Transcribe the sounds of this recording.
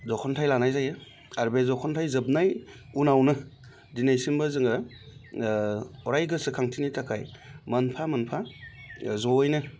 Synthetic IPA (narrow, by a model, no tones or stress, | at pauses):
zɔkʰɔntʰajlanajzajɯ | aɾbezɔkʰɔntʰajzɯb̚naj | unawnɯ | dinajsimbazɯŋɯ | ɔɾajɡɯsɯkʰaŋtʰinitakʰajmɐnpʰamɐnpʰa | zɔjnɯ